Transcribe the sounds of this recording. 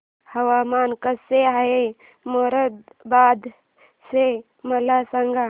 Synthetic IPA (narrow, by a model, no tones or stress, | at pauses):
həwamaːnkəseɦae | moɾəd̪bad̪ | se | məlasəŋɡa